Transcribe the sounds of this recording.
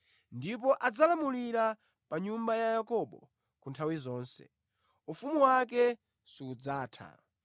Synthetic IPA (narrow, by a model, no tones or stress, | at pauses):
ndip̬ɔʔad͡zalamuliɾa | paɲumbajajakɔɓɔ̰ | kuntʰawizɔːnsɛ̰ | ufumuwak̬ɛ | siːd͡zaːtʰa̰